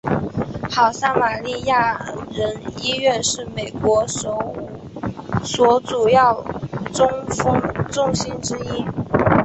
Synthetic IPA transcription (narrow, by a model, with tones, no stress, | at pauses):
xɑ˨˩ʊsa˥ma˨˩li˥˧ja˥˩ɻə˧˥ni˥ɥɛ˥˧nʂɻ̩˥˩me˨˩ɪkwɔ˧˥o˧˩ | swɔ˧˥ʈ͡ʂu˨˩jɑ˥˩ʊʊ˥ŋfɤ˥ŋʈ͡ʂʊ˥ŋɕi˥nʈ͡ʂɻ̩˥i˥